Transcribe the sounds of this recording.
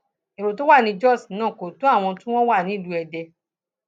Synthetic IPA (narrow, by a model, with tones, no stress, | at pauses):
e˨ɾo˨to˦wa˦˨nĩ˧d͡ʒɔ˦˨snãː˦˨ko˨to˨˦a˦˨w̃ɔ̃˧tũ˦w̃ɔ̃˦wa˦˨nĩ˨˦˨lu˨˦ɛ˧dɛ˧